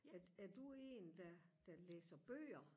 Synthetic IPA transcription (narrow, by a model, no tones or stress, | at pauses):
æɐd̥ue̝̰ːnd̥æd̥æleːsɐb̥ø̰ːɐ